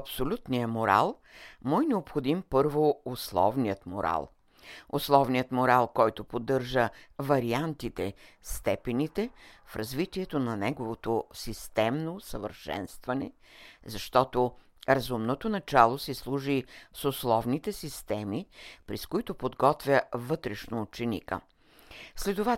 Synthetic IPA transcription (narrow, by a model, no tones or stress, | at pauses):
ɐpsolʲut̪nijəmoɾa̰lˠ | mɔjnɛopxod̪impɤɾvooslˠɔ̰vnijət̪mo̰ɾa̰lˠ | oslˠɔvnijət̪moɾalˠkɔjt̪opod̪ːɤɾʒəvɐɾiant̪it̪ɛst̪ɛpɛnit̪ɛfɾɐzvit̪iɛt̪onɐnɛɡovot̪osist̪ɛmnosəvə̰ɾʃɛ̰nst̪vɐnɛ̰zɐʃt̪ɔt̪o | ɾɐzumnot̪onɐt͡ʃalˠosɛslˠuʒisoslˠɔvnit̪ɛsist̪ɛmipɾɛskʊit̪opod̪ɡɔt̪vʲjəvɤt̪ɾɛʃnoːt͡ʃɛnḭkə̰ | slɛd̪ʊva